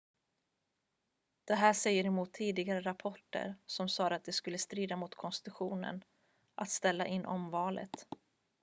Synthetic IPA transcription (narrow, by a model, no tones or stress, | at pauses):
d̪̥ɛɦæːʂɛjːəɾɛmuːt̪ʰːiːd̪ɪɡaɾəɾapʰɔʈːə̰ɾsɔmsɑːd̪at̪̚d̪ɛskɵlːəst̪ɾiːd̪amʊt̪kʰɔnst̪ɪt̪ɵɧuːnə̰n | ʔat̪st̪ɛlːa̰ʔɪnːʔɔmvɑːlə̰t̪